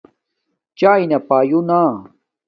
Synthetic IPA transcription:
t͡ʃajnapaːjuna

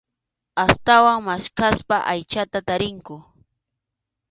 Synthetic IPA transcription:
ast̪awaŋmaʃkaspaʔajt͡ʃat̪at̪aɾɪŋkʊ

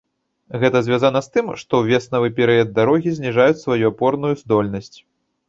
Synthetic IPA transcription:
ɣɛt̪ɐzʲvʲazanɐst̪ɨmʂt̪ɔwvʲɛsnɐvɨpʲɛɾɨɐd̪̚ːaɾɔɣʲizʲnʲiʐajut͡sʲsvajuapɔrnujuzd̪ɔlʲnɐsʲt͡sʲ

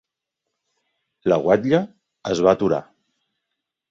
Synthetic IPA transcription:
ləɣwaʎə | əzβat̪uɾa̰

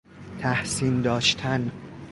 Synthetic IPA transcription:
t̪ʰæhsiːnd̪ɒːʃt̪ʰæn

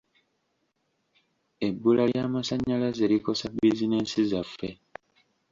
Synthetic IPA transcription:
ebːulajaːmasaɲːalaze̞ɾiko̞sabizineːnsizafːe̞

